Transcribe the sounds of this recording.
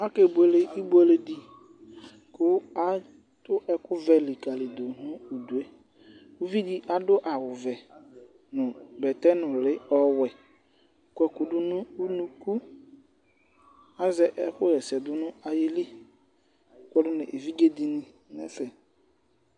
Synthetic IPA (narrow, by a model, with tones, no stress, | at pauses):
a˦ke˨bu˨ɛ˨le˨ʔi˦bu˦e˨le˨di˨ | kʊ˦a˦ | tʊ˦ʔɛ˦kʊ˦vɛ˨li˨ka˨lɪ˨do˨nʊ̃˦u˨du˨e˦ | u˦vi˦di˦ʔa˨dʊ˦ʔa˨wʊ˨vɛ˨ | nʊ̃˨bɛ˨tɛ˦nʊ̃˨lɪ˦ɔ˦wɛ˨ | kwɛ˨kʊ˨dʊ˦nʊ̃˦u˦nũ˦ku˦ | a˦zɛ˨˦ʔɛ˦kʊ˦jɛ˨sɛ˨dʊ˦nʊ̃˦a˨jɪ˦li˦˨˦ | kʷɛ˦dʊ˦nɪ˨ʔe˨vi˦ɡe˦di˨nĩ˨ | nɛ̰˨sɛ˨